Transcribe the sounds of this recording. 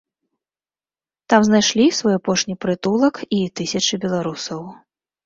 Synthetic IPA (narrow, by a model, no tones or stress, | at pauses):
t̪amznajʂlʲisvɔjapɔʂnʲipɾɨt̪ulˠɐkit̪ɨsʲɐt͡ʂɨbʲɛlˠaɾusɐw